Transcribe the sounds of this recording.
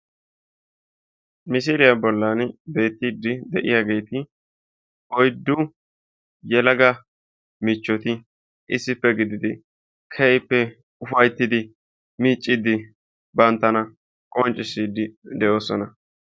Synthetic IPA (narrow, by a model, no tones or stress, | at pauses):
mɪs̬iːlɪjɐbɔlːɐnbe̞ːt̪ːiːd̪ɪd̪ɛʔɪ̰jaːɡe̞jt̪ɪ | ʔɔjd̪ːʊ | jɛlɐɡɐ | mɪt͡ʃːɔt̪ɪ | ʔɪsːɪpːɛɡɪd̪ɪd̪ɪ | kʰɛjpːɛ | ʊfɐjt̪ːɪd̪ɪ | miːt͡ʃʼːɪd̪ɪ | bɐnt̪ːɐnɐ | kʼɔnt͡ʃʼːɪsːiːd̪ɪd̪ɛʔo̞ːsɔnɐ